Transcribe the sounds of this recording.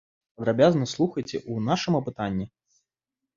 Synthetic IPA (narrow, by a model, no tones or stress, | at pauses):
pɐd̪ɾabʲaznɐslˠuxɐjt͡sʲɛʔunaʂɨmɐpɨt̪anʲːi